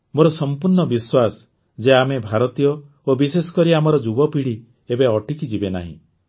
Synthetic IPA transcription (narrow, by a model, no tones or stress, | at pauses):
moɾɔsɔmpuɾɳɔbiswas | d͡ʒeamebʱaɾɔt̪ijɔ | obisesɔ̥kɔɾiamɔɾɔd͡ʒubɔpiɽi | ebeɔʈikid͡ʒibena̰ɦḭ̃